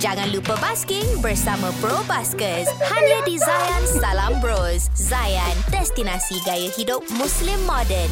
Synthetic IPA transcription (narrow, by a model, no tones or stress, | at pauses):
d͡ʒaŋãnlupəbaskiŋbərsamãpɾobaskəshaɲədizajãnsalambɾoszajandɛst̪inasiɡajəhidʊp̚mũslimːɔdən